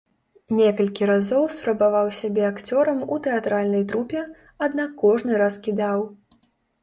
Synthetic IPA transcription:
nʲɛkɐlʲkʲiɾazɔwspɾɐbavawsʲabʲɛakt͡sʲɔɾɐmut̪ɛat̪ɾalʲnɐjt̪ɾupʲɛ | ad̪nakːɔʐnɨɾaskʲid̪aw

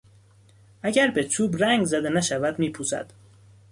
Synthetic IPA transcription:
ʔæɟæɾbe̞t͡ʃʰuːbɾæŋɡzæd̪e̞næʃævæd̪miːpʰuːsæ̰d̪̥

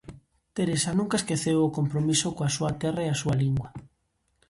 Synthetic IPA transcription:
t̪eɾesanũŋkaeskeθewʊkompɾomisʊkoasuɐt̪ɛraeasualiŋɡwɐ

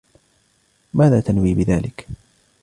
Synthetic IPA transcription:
maːðaːt̪anwiːbɪðaːlɪk

